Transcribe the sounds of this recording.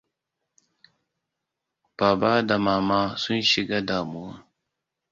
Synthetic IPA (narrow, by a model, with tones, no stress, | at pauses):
b̥aː˨baː˦da˨maː˦maː˦sʊ˦nʃɪ˨ɡaː˦daː˨mʊ˦wa˦